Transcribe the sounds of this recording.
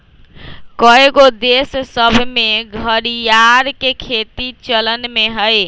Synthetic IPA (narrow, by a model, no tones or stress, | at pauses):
kəeɡod̪essəbʱmeɡʱəɾijaɾkekʰet̪it͡ʃələnmeɦəj